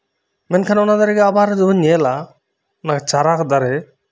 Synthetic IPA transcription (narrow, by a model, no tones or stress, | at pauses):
mɛnkʰanɔnad̪aɾɛɡɛabaɾɛd͡ʒɔbɔnɛla | ɔnaket͡ʃaɾakd̪aɾɛ